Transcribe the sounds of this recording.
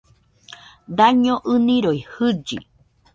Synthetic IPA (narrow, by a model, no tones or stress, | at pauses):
d̪aɲõʔɨnĩɾojhɨd͡ʒḭ